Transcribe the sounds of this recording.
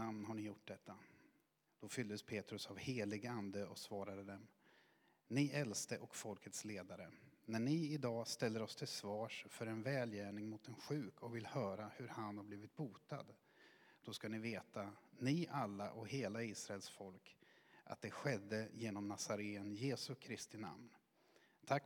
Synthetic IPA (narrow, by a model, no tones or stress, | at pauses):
amnɦaɳɪjʊʈ̚ːd̪ɛt̪ʰːa | d̪̥ɔfʏld̪əspʰeːt̪ɾɵsavheːlɪɡand̪əɔsvɑːɾad̪əd̪ɛm | nɪʔɛlst̪əʔɔkfɔlkʰət̪sleːd̪aɾənæɳɪɪd̪ɑːst̪ɛlːəɾɔst̪ʰɪlsvɑːʂfœɾɛnvɛːljæːɳɪŋmʊt̪ɛnɧʉ̟ːkʰɔkvɪlhœːɾahɵɾhanhaɾbliːvɪt̪̚buːt̪a̰d̪ | d̪̥ɔskanɪveːt̪ʰanɪʔalːaʔɔkheːlaiːsɾaɛlsfɔlkʔa̰t̪̚d̪ɛɧɛd̪ːəjeːnɔmnasaɾeːənjeːsɵkʰɾɪst̪ɪna̰mn | t̪ʰakː